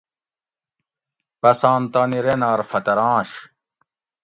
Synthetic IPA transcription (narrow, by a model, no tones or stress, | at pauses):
pɐsãːnt̪aːniɾenaːɾfɐt̪ɐɾãːɕ